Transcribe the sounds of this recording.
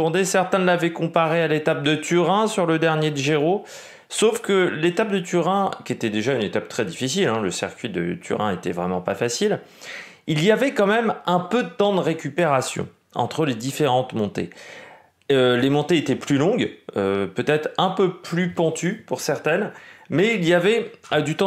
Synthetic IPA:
ɑ̃d̪esɛʁt̪ɛ̃lavɛkɔ̃paʁealet̪ap̚d̪ət̪yʁɛ̃syʁləd̪ɛʁnjed̪yʒeʁo | sofkəlet̪ap̚d̪ət̪yʁɛ̃kʲiet̪ɛd̪eʒaynet̪ap̚t̪χɛd̪ifisilɛ̃ləsḭʁkʲɥid̪ə̰t̪ʰy̰ʁɛ̃et̪ɛ̰vʁɛmɑ̃pafasil | iliavɛkɑ̃mɛmɛ̃pød̪ət̪ɑ̃d̪əʁekʲypeʁasjɔ̰̃ | ɑ̰̃t̪χəled̪ifeʁɑ̃t̪mɔ̃t̪ḛ | ølemɔ̃t̪eet̪ɛplylɔ̃ɡøpøt̪ɛt̪χɛ̃pøplypɔ̃t̪ypuʁsɛʁt̪ɛnmɛilijavɛad̪yt̪ɑ̃

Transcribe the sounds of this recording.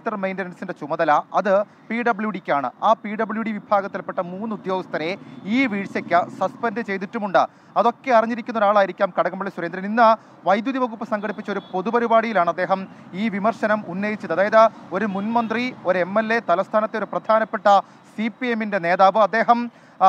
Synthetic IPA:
t̪ːɐrmejndɐɾɐnsindet͡ɕumɐðɐlɐɐðɨ | piːɖɐbɭjuɽikʲːaːɳɨ̰aːpiɖɐbɭjuɽiʋibʱaːɣɐt̪ːilpːeʈːɐmuːnːɨud̪jo̞ːɡist̪ʰɐɾeiːʋiːɻsɐkʲːɨsɐspɐndɨt͡ɕe̞jðiʈːumuɳɖɨ | ɐðo̞kːe̞ɐriɲːiɾikʲːunːɐoɾaːɭaːjiɾikʲːaːmkɐɽɐɣɐmɐɭːisuɾend̪ɾɐninːɐ | ʋɐjd̪juðiʋɐɣupːɐsɐŋɡɐɽipːit͡ɕːo̞ɾupo̞ðupɐɾibaːɽijilaːɳɐd̪ːeːɦɐmiːʋimɐrʂɐnɐmunːɐjit͡ɕːɐðɐðaːjɐðɨo̞ɾumunmɐnd̪rio̞ɾemːe̞lːe̞t̪ɐlɐst̪ʰaːnɐt̪ːeo̞ɾuprɐd̪ʱaːnɐpːeʈːɐ | sipieminde̞ne̞ːðaːʋɨɐd̪ːe̞ːɦɐm

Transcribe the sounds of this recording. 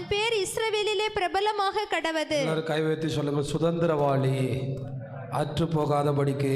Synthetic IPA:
npeːɾɪsɾɐʋeːlɪleːpɪɾɐbɐlɐmaːɣɐkːɐɽɐʋɐðɯlɐɾkɐɪʋɐjɐt̪ːisɔlːɯŋɡɐɭsʊðɐnd̪ɪɾɐʋaːɭi | ɐʈrɯpːoːɣaːðɐpɐɽɪkːɯ

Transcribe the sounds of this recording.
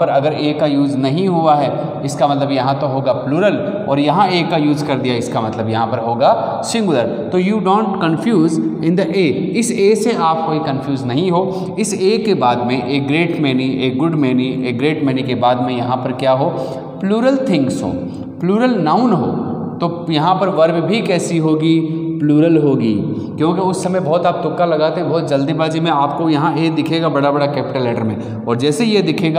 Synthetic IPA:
ɔɾɐɡəɾeːkajuːznɐɦĩɦuaɦɛː | ɪskamɐt̪ləbjɐɦãt̪oɦoːɡaːpluːɾəlɔːɾjɐɦãeːkːajuːzkɐɾd̪ijaɪskamɐt̪ləbjɐɦãpɐɾɦoːɡaː | sɪ̃ŋɡʊləɾ | t̪ojuːɖõːɳʈkɐ̃nfʰjuːzɪ̃nd̪əʔeːɪseːseaːp̚koːikɐ̃nfʰjuːznɐɦĩɦoː | ɪseːkebaːd̪mẽʔeːk̚ɡɾeːʈmɛːnĩʔeːk̚ɡʊɖmɛːnĩeːk̚ɡɾeːʈmɛːnikebaːd̪mẽjɐɦãpɐɾkjaːɦoː | pluːɾəlt̪ʰɪ̃ŋksɦo̰ː | pluːɾəlnaʊnɦo̰ːt̪ojɐɦãpɐɾʋɐɾbbʱikɛːsiɦoːɡipluːɾəlɦoːɡiː | kjõːkeʊsːɐməjbɔːt̪aːp̚t̪ʊkːalɐɡaːt̪eɦɛ̃bɔːt̪̚d͡ʒɐld̪ibaːd͡ʒimẽaːp̚kojɐɦãjed̪ɪkʰeːɡabɐɽabɐɽakɛːpɪʈəlɛːʈəɾmḛ̃ | ɔːɾd͡ʒɛːsejed̪ɪkʰeːɡa

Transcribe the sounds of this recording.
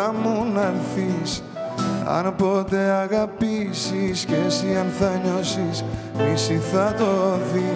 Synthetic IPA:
amunɐlθis | ɐ̰npot̪eaɣapisiskesiɐnθɐɲosis | isiθat̪oði

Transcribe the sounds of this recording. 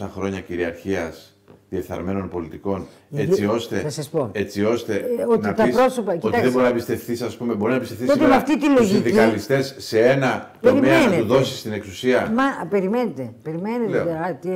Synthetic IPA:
ɐxɾo̞ɲɐciɾiɐɾçiɐs | ðieθɐ̰ɾme̞no̞npo̞lit̪iko̞n | e̞t͡sio̞st̪e̞ɐsɐspoe̞t͡sio̞st̪eonit̪ɐpɾosopɐt̪iðeoɾinɐpist̪e̞fθisɐspume̞bo̞ɾinɐpist̪efθioemɐft̪it̪iloʝsinðiɐlist̪e̞sːe̞e̞nɐt̪eɾimeɐt̪uðo̞sist̪ine̞ksu̥siɐmɐpeɾimenet̪epeɾimeneeeɐt̪i

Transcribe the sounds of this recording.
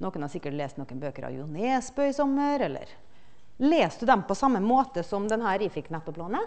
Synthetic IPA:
nɔkːənhɑsɪkːəʈleːst̪nɔkːənbøːkəɾɑ̰ʋjʊ̰neːsbœʏsɔmːəɾɛlːə̰ɾ | leːst̪d̪ʉd̪ɛmpɔsɑmːəmoːt̪əsɔmd̪ɛnɦæːɾifɪkːnɛt̪ːʊpʰlɑːnə

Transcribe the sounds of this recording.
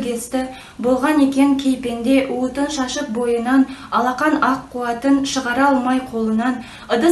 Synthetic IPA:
ɡʲe̞st̪ɪ | bo̞lˠʁɑne̞kʲe̞ŋkʲʰe̞jpe̞nd̪e̞ʔwət̪ənʃɑʃəq̚bo̞jənɑnɑlˠɑqɑnɑqːuɑt̪ənʃəʁɑɾɑlˠmɑjqʰo̞lˠənɑn | əd̪ə

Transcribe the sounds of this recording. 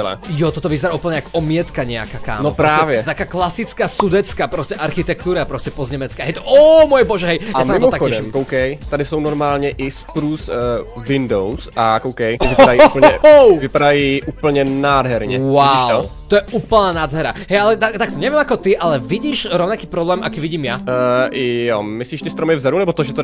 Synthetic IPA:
ɛlɛ̰jɔt̪ɔt̪ɔʋizɾaʔuːpl̩ɲɛakɔmɪɛt̪kaɲɛa̰kaka̰ːmnopɾɔsaːɛvjɛt̪akaːklasit͡skaːsud̪ɛt͡skaːpɾɔscɛʔaɾxit̪ɛk̚t̪uːɾapɾɔscɛpɔzɲɛmɛt͡skaɛjt̪ɔʔɔmɔjɛbɔʒɛɦɛjjamsaimɔakɛmkowkɛjt̪adɪsownɔɾmaːlɲɛʔɪspɾusvindowsʔakowkɛjvɪpaajupl̩ɲɛwvɪpadajiʔuːpl̩ɲɛnaːd̪ɦɛɾɲɛwaiʃɔt̪ɔjɛuːpl̩naːnaːd̪ɦɛɾa̰ɦɛjalɛt̪at̪akt̪ɔɲɛʋɪjɛmakɔt̪iʔalɛviɟiːʃɾɔʊnakiːpɾɔblɛːmʔa̰kiːʋiɟiːmjaɪjomɪsliːʃt̪ɪst̪ɾɔmɪvzadunɛbɔt̪ɔʒɛt̪o

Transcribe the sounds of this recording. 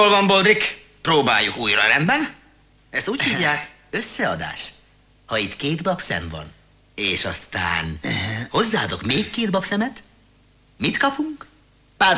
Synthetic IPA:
olvɒmbold̪rik | proːba̰ːjːukuːjrɒɾɛmbɛn | ɛst̪uːchiːvjaːk | ø̞sːɛɒd̪a̰ːʃ | hɒit̪keːd̪bɒpsɛ̰ɱvɒ̰n | eːʃɒ̰st̪a̰ːnho̞zːaːɒd̪o̞kmeːkːeːd̪̚bɒpsɛmɛt̪ | mit̪kɒpuŋk | pa

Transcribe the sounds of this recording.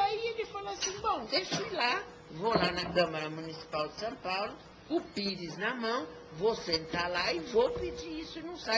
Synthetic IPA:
aiekɪfalasĩbõd̪eʃejla | volanɐkɐ̃mɐɾɐmunisi̥pawd̪ɪsɐ̃w̃pawlʊ | ʊpiɾɪznɐmɐ̃w̃ | vosẽnt̪alaɪvopid͡ʒiɾisʊinɐ̃w̃sa

